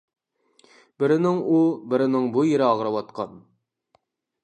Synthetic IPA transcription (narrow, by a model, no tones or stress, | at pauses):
bɪɾɪnɪŋubɪɾɪnɪŋbujeɾɪɑʁɾɑwɑt̪qʰɑn